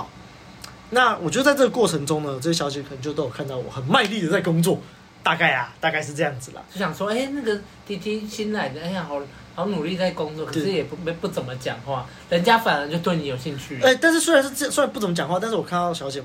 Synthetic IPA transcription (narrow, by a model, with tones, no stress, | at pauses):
ʊ | na˥˨wɔ˨˩t͡ɕjʊt͡sa˥˧ɪt͡sɤ˥˩ə˩kwɔ˥˩ʈ͡ʂʰɤə˧˥ŋʈ͡ʂʊ˦ŋnə˨wɔ˨˩ə˥˩ɕjɑ˧˥ʊt͡ɕjɛ˨˥kʰnə˧ŋt͡ɕo˥˧t̪o˥jo˨˩kʰa˥˧nt̪ɑ˥˩ʊwɔ̰˨˩xə˨˩nma˥˧ɪli˥˨d̪ə˩t͡sa˥ɪkʊ˥ŋt͡swɔ˥˨ | t̪a˥˧ka˥˩ɪa˩t̪a˥˧ka˥˧ɪʂɻ̩˥˧ʈ͡ʂɤ˥˧jɑ˥˩ŋd͡zɹ̩˨˩lə̰˩t͡ɕo˥˩ɕjɑ˨˩ŋʂwɔ˥e˥ɪna˥˩ɡə˨ | t̪i˧˥t̪ʰi˥ɕi˦nla˨˦ɪd̪ə˩e˥˨ɦa˨˦ʊ | hɑ˨˦ʊnu˨˩li˥˧t͡sa˥˩ɪkʊ˥ŋt͡swɔ˥˨˩kʰʂɻ̩˥˨jɛ˨˩pme˧˦pu˥˩t͡sə˨˩mə˨˦t͡ɕjɑ̰˨˩ŋxwa˥˩ | lə˧˦nt͡ɕja˦˥fa˨˩nə˧˦t͡ɕo˥˧ʊt̪we˥˩ɪni˨˥jo˨˩ʊɕi˥˧ŋt͡ɕʰy˥˩ɛ˥˩t̪a˥˧nʂ̬̩˥swu˥ɻa˧˦nʂ̩˥˧˥su˥ɻa˧˦npu˥˩t͡sə˨˦mə˧t͡ɕjɑ˨ŋxwa˥˧t̪a˥˧nʂɻ̩˥˩wɔ˨˩kʰa˥˧nt̪ɑ˥˩ʊ˩ɕjɑ˧˥ʊt͡ɕjɛ˨˩